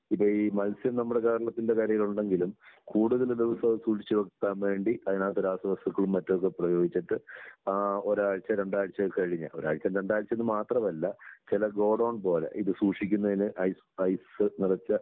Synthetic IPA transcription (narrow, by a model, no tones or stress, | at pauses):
ipːoimɐlsjɐmnɐmːuɽe̞ke̞ːɾɐɭɐt̪ːinde̞kaːɾjɐjiluɳɖe̞ŋɡilumkuːɽuðɐld̪uʋɐsɐʋsuːʂit͡ɕːuʋɐkkːaːmʋe̞ːɳɖiɐðinaːt̪ːuɾaːsɐʋɐst̪ɐkːɐɭumːɐtːok̬ːeprɐjo̞ːɡit͡ɕːiʈːɨ | oɾaːɻt͡ɕːɐɾe̞ɳɖaːɻt͡ɕːɐkɐɻiɲːɐ̰oɾa̰ːɻt͡ɕːɐmɾe̞ɳɖaːjɻt͡ɕːenːɨmaːt̪rɐmɐlːɐt͡ɕilɐɡo̞ːɽoːɳpo̞ːlḛʔiðɨsuːʂikʲːunːɐðinɨʔɐjs | ɐjsɨnirɐt͡ɕːɐ